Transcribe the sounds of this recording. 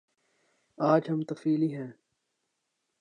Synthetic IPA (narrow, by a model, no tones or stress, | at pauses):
aːd͡ʒɦɐmt̪ɐfiːliɦɛ̃ː